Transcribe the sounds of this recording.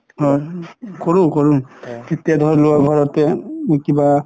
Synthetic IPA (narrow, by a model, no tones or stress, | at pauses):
ɦɔjkoɹũkoɹũketijadʱɔɹlʊaɡʱɔɹɔtɛkiba